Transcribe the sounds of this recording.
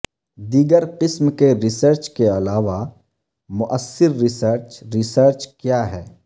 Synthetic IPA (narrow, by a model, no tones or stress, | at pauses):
d̪iːɡəɾqɪsmkeɾɪsəɾt͡ʃkeɐlaːʋa | mʊʔəsːɪɾːɪsəɾt͡ʃɾɪsəɾt͡ʃkjaːɦɛː